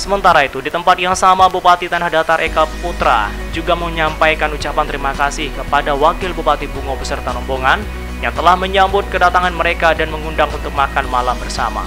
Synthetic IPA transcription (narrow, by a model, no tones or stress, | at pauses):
səmənt̪aɾait̪udit̪əmpat̪̚jaŋsamabupat̪it̪anahdat̪aɾʔekaəput̪ɾa̰ | d͡ʒuɡaməɲampajkanut͡ʃapant̪əɾimakasɪhkəpadawakɪlbupat̪ibuŋobəsərt̪aɾɔmboŋan | jat̪əlahməɲambʊt̪̚kədat̪aŋanməɾekadanməŋundaŋunt̪ʊk̚makanmalambərsa̰ma̰